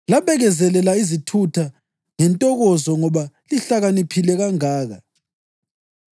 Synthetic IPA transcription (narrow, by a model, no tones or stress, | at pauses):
laβɛɣɛzɛlɛlaizitʰutʰa | ŋɛntʼɔɣɔzɔŋɔβaliɬaɣanipʰilɛɣaŋaːɣa̰